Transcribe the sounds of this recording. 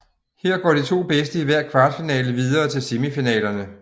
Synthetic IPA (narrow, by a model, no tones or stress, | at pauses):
heɐ̰ɡ̥ɒ̰ːd̥it͡sʰo̝̰ːb̥esd̥əiʋæɐ̰kʰʋɑ̈ːd̥finɛ̰ːləʋiðˠɐːt͡sʰe̝lsimifinɛ̰ːlɐnə